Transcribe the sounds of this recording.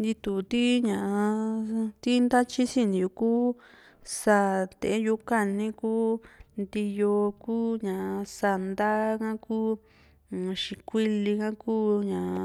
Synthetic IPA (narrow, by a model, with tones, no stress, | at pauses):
nd̪i˧t̪u˨t̪i˦ɲã˨˧t̪i˦nd̪a˦t͡ʃi˦sĩ˦n˨ju˧˨kuː˦ | sa˧˨t̪ḛ˧ʔe˦ju˧ka˧nĩ˦kuː˦nd̪i˧jo˧kuː˦ɲã˨˧sa˧˨nd̪a˦kã˦kuː˦˨ | ʃĩ˧kʷi˦li˧kã˦kuː˦ɲã˨